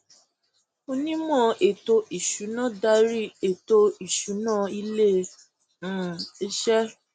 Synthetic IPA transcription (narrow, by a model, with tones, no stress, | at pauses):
o˧nĩ˦mɔ̃˦˨ʔe˨to˧ʔi˨ʃu˨˦nã˦˨da˧ɾi˦e˨to˧i˨ʃu˨˦nãː˦˨i˧lẽ˦˨ | i˧ʃɛ˦